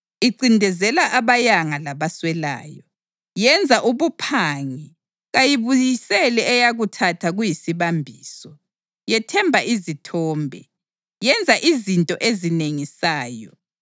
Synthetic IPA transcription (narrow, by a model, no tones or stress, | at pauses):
iǀindʱɛzɛlaʔaβajaŋalaβaswɛla̰ːjɔ | jɛnd͡zʱaʔuβupʰaŋi | ɣajiβujisɛlɛːjaɣutʰatʰaɣujisiβambʱiːsɔ | jɛtʰɛmbʱaʔizitʰɔːmbʱɛ̰ | jɛnd͡zʱaʔizintʼɔʔezineŋisaːjɔ̰